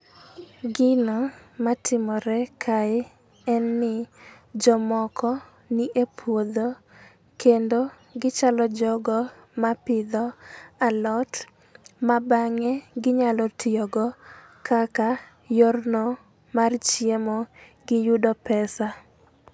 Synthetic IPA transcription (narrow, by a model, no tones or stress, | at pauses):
ɡɪnɔmatʰɪmɔɾɛkʰaɪ | ɛnːɪ | d͡ʒɔmɔkʰɔ | nɪʔepʰwod̪o | kendo | ɡɪt͡ʃalɔd͡ʒɔɡɔ | mapɪd̪ɔalɔt | mabaŋɛɡɪɲalɔtɪɔɡɔ | kaka | jornɔ | mart͡ʃjemɔ | ɡɪjudɔpɛsa